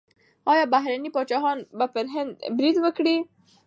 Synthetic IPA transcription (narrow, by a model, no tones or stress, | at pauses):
ɑjɒbaɦɾanipɔt͡ʃaɦɑnbapɪɾɦɪnd̪bɾid̪wəkɽi